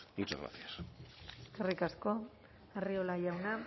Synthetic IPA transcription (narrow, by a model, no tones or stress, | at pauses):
ɡut͡ʃa̰zɣɾa̰θjas | kerikasko̞ | eriolaʝawna